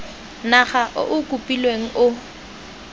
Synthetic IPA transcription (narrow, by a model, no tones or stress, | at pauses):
naχaʔʊ̰ʔʊkʼupʼilweŋ̩ʔʊ